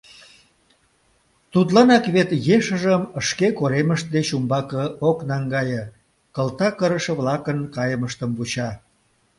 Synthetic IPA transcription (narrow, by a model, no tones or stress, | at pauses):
t̪ut̪̬lɑnɑkβet̪jeʃəʒəməʃkekoɾeməʃt̪̚d̪et͡ɕumbɑkəoknɑŋɡɑjə | kəlt̪ɑkəɾəʃə̆βlɑkənkɑjəməʃt̪əmput͡ɕɑ